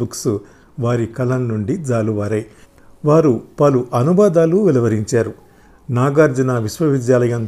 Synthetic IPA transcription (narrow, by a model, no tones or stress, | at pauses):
uksu | ʋaːɾikɐlɐnːuɳɖid͡ʒaːluʋaːɾɐj | ʋaːɾupɐluʔɐnubaːd̪aːluʋɛlɐʋɐɾiɲt͡ʃaːɾu | naːɡaːɾd͡ʒɐnaʋisʋɐʋid̪jaːlɐjɐn